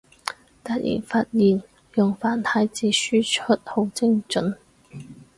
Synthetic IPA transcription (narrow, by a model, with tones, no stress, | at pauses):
t̪ɐ˧t̚jʔḭː˨˩nfaː˧t̚jiː˨˩n | jʊ˨˩ŋfaː˨˩nt̪ʰa˨˧˥jt͡siː˨˥syː˥t͡ʃʰɵ˥t̚ho˨˥wt͡sɪ˥ŋt͡ʃɵ˨˥n